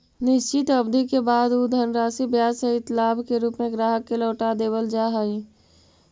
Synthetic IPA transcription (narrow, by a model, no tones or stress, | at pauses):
nɪʃt͡ʃɪt̪ɐbd̪ʱikebaːd̪uːd̪ʱənɾaːsibjaːsəɦɪt̪laːbkeɾuːpmẽɡɾaːɦəkːelɔːʈad̪eːbəld͡ʒaːɦai